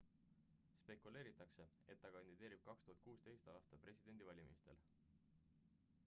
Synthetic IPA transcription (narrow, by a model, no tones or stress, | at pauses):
spe̞kˑule̞ːɾit̪ːˑɑkse̞ | e̞̰t̪ːɑkɑnʲd̪̥id̪e̞ːɾib̥̚kɑkst̪uɦɑt̪̚kuːst̪e̞jst̪ɑːst̪ɑpre̞sʲid̪̥e̞nd̪̥ivɑlʲimḭst̪e̞̰l